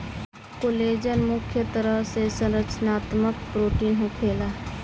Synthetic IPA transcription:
koːleːd͡ʒənmʊkʰjət̪əɾəɦsesə̃nɾət͡ʃənaːt̪mək̚pɾoːʈiːnɦokʰeːla

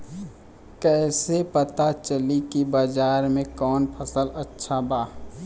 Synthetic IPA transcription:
kɛːsepɐt̪at͡ʃəlikibad͡ʒaːɾmẽkɔːnpʰəsəlɐtːʃʰabaː

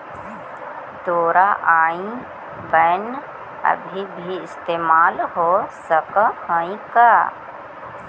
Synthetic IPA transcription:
d̪oːɾaːʔaːĩ | bən | ɐ̰bʱibʱiɪst̪eːmaːlɦoːsəkhaːĩka

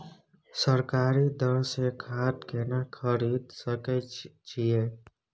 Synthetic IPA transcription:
səɾkaːɾid̪əɾsekʰaːt̪kenakʰəɾiːd̪səket͡ʃieː

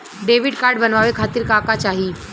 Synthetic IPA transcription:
ɖeːʋɪɖkaːɾɖbɐnʋaːʋekʰaːt̪ɪɾkaːkat͡ʃaːɦi

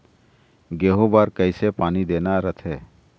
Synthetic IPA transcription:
ɡeːɦobaːɾkəɪsepaːnid̪eːnaɾət̪ʰeː

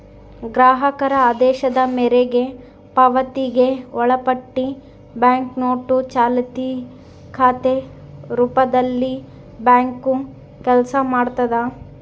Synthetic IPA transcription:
ɡɾaːɦɐkɐɾɐaːd̪ɛːʃɐd̪ɐmɛɾeɡe̞ | pɐʋɐt̪iɡe̞ɔɭɐpɐʈːi | bjaːŋknoːʈut͡ʃaːlɐt̪i | kʰaːt̪e | ɾuːpɐd̪ɐlːi | bjaːŋku | kɛlsɐmaːɽt̪ɐd̪a

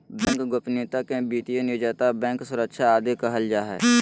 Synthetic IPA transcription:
bɛ̃ːŋkɡʊpniːt̪akẽbiːt̪ijenʊːd͡ʒaːt̪abɛ̃ːŋksʊɾəkʃaaːd̪ekɐɦəld͡ʒaːɦɛ̰ː

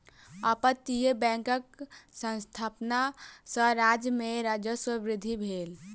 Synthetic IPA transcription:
əpət̪ːijebɛ̃kək̚sə̃nst̪ʰapnasəɾad͡ʒmeɾad͡ʒjəswəbɾid̪ʱːibʱel

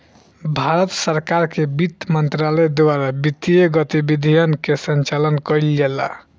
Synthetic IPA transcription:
bʱaɾət̪səɾkaɾkebit̪ːmənt̪ɾalɛd̪owaɾabit̪ieɡət̪ibid̪ʱijənkesənt͡ʃalənkəjld͡ʒela̰

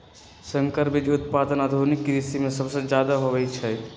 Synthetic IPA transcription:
sə̃ŋkəɾbid͡ʒʊt̪̚paːd̪ənad̪ʱonɪkːiɾɪsimẽsɐbsed͡ʒjaːd̪aɦoʋɛit͡ʃʰɛ

